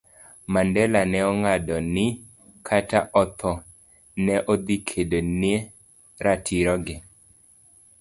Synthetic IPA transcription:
mandɛlanɛɔŋadɔnɪ | kʰata̰ʔɔt̪ʰɔ | nɛʔɔd̪ikʰedone | ɾatʰiɾɔɡɪ

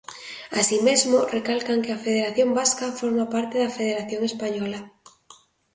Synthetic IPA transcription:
asimezmorekalkaŋkeafeðeɾaθjombaskafoɾmapaɾt̪eðafeð̞eɾaθjoŋespaɲɔla

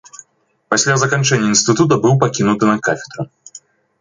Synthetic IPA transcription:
pasʲlʲazɐkant͡ʂɛnʲːɐinst̪ɨt̪ut̪̬ɐbɨwpakʲinut̪ɨnɐkafʲɛ̥d̪ɾu

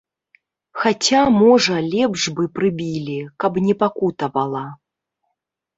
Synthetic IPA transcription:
xat͡sʲamɔʐɐlʲɛpʐbɨpɾɨbʲilʲikɐbnʲɛpakut̪ɐvɐlˠɐ

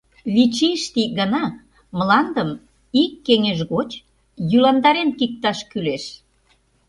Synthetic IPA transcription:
βit͡ɕiʃt̪iɡənɑ | məlɑnd̪əm | ikːeŋeʃɣot͡ɕ | jylɑnd̪ɑɾenkik̚t̪ɑʃkyleʃ

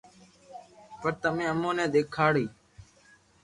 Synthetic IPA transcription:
pəɾt̪əmẽːəmõːnẽːɗ̪eːkʰaːɽiː

